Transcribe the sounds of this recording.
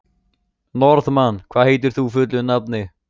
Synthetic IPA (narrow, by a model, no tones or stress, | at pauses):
nɔɾðmanːkʰvaːɦeːjt̪̬ɪɾ̥θufʏt̪̬lʏnap̚nɪ